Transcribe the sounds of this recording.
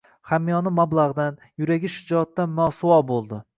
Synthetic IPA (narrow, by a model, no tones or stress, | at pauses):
χamːijɒnɪmablˠaʁd̪an | jʊɾaɡʲɪʃɪd͡ʒɒt̪ːamɒsʊwɒbolˠd̪ɪ